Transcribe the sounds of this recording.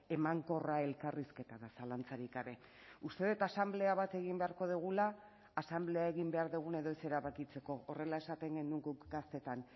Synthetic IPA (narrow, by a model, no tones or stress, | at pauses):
e̞maŋko̞rae̞lkariske̞t̪aðasalant͡saɾikaβe̞ | ust̪e̞ðut̪asamble̞aβat̪e̞ɣ̞imbe̞aɾko̞ðuɣ̞ulaː | samble̞ae̞ɣimbe̞aɾðuɣ̞une̞ðo̞ese̞ɾaβakit͡se̞ko̞ore̞lae̞sat̪e̞ŋɡe̞nuŋɡukɡast̪e̞t̪an